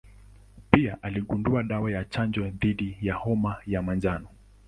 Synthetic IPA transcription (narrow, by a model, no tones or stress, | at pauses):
piaʔaliɠunduaɗawajat͡ʃand͡ʒwɛðiɗijahɔmajamand͡ʒanɔ